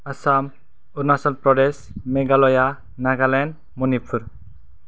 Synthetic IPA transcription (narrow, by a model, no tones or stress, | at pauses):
asam | uɾnasɔlpɾɔɖes | meɡalɔja | naɡalan | munipʰuɾ